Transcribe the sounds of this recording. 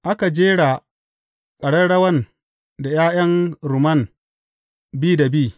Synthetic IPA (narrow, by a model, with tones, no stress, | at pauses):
ʔa˦ka˨d͡ʒeː˦ɽa˨ | kʼɐ˨ɽɐ˦ɽɐ˦wɐ˦n | da˨jaː˦jɐ˦ŋɾʊ˨mɐ˦˨n | biː˦da˨biː˦˨